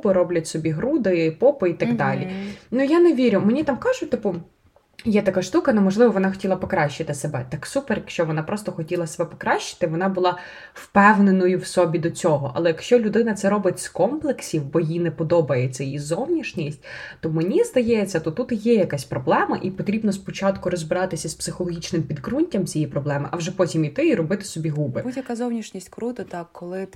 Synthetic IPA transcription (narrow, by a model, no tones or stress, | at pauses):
pɪɾɔblʲɐtʲsɔbʲiɦɾud̪ɪpɔpɐit̪ɐɡd̪ɑlʲinʊjaneʋʲiɾʲʊmenʲit̪ɑmkɑʒʊt̚ʲt̪ɪpʊ | jɛt̪ɐkɑʃt̪ukɐnɛmɔʒlˠɪʋɔʋɔnɑxɔ̥tʲilˠɐpɔkɾɑʃːɪt̪ɪsebɛt̪ɑksupɛrjɐkʃt͡ʃɔʋɔnɑpɾɔst̪ɔxɔtʲilˠɐsebɛpɔ̥kɾɑɕːɪ̥t̪ɪʋɔnɑbʊlˠɑ | wpɛwnenɔjʊwsɔbʲid̪ɔt͡sʲɔɦɔʔɐ̰lˠɛjɐkʃt͡ʃɔlʲʊd̪ɪnɐt̪sɛɾɔbɪtʲskɔmplˠeksʲiwbɔjinɛpɔd̪ɔbɐjet͡sʲːɐjjizɔwnʲiʃnʲisʲtʲt̪ɔmenʲizd̪ɐjɛt͡sʲːɐt̪ɔt̪ut̪jɛjɐkasʲpɾɔblˠɛmɐ̰ʔipɔt̪ɾʲibnɔspɔt͡ʃɑt̪kʊɾɔzbɪɾɑt̪ɪsʲɐspsɪxɔlˠɔɦʲit͡ʃnɪmpʲid̪ɡɾunʲtʲɐmt͡sʲijipɾɔblˠɛmɪʔɐʋwʒɛpɔtʲimit̪ɪiɾɔbɪt̪ɪ̥sɔbʲiɦubɪbudʲjɐkazɔwnʲiʃnʲisʲtʲkɾut̪ɐt̪ɑkkːɔlˠɪ